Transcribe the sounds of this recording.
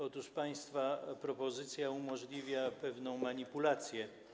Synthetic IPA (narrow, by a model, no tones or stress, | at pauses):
ɔt̪uʂpaj̃st̪fapɾɔpɔzɘt̪sʲjaumɔʐlʲivʲjapɛvnɔ̃w̃maɲipulat̪sʲjɛ